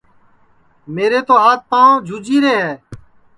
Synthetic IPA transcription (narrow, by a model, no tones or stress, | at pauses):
meːɾeːt̪oːɦaːt̪̚pãːõːd͡ʒʱuːd͡ʒiːɾeːɦɛː